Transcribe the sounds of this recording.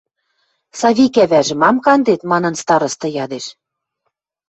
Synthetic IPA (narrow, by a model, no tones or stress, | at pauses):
sɑβʲikæβæʒɘ̆mɑmkɑnd̪et̪mɑnɤ̆nst̪ɑɾɤ̆st̪ɤ̆jɑd̪eʃ